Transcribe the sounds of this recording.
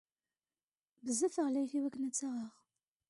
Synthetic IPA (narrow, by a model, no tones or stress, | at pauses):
bəzːæfəʁlæjθiwækːənæt͡sːaʁəʁ